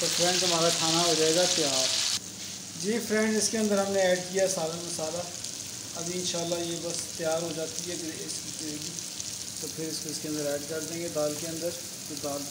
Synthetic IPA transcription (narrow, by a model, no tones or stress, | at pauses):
t̪opʰɾɛ̃ɳɖt̪ʊm̤aːɾakʰaːnaɦoːd͡ʒaːeːɡat̪jaːɾ | d͡ʒeːpʰɾɛ̃ɳɖɪskeə̃nd̪əɾɦəmneɛːɖkijasaːlamɪ̃saːla | əbiɪnʃaːlːajeːbəst̪ɪjaːɾɦoːd͡ʒaːt̪iɦɛɡəɾɪskiteːɡiː | t̪oːpʰɪɾɪskoɪskẽnd̪əɾɛːɖkəɾd̪ẽːŋɡeːd̪aːlkeə̃nd̪əɾ | d͡ʒod̪aːl